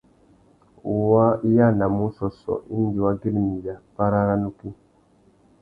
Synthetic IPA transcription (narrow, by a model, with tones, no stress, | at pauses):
u˨wa˦i˦ja˦˨na˨mu˦sɔ˨sɔ̰˨ʔi˦n˦di˨wa˦ɡi˦lmi˨ja˨pa˦ɾa˦ɾa˦nu˦ki˦